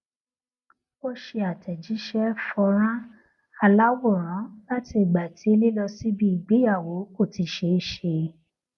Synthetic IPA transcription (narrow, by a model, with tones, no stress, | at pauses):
o˦ʃe˧a˨tʰɛ˨d͡ʒi˨˦ʃɛ˦fɔ˧ɾ̃ã˦ | a˧la˦wo˦˨ɾ̃ã˨˦la˦ti˧i˨ɡ͡ba˨ti˨˦e˦˧li˦lɔ˧si˦bi˦i˨ɡ͡be˨˦ja˦˨wo˨˦ko˦˨ti˨˧˦ʃe˧˦ʃe˧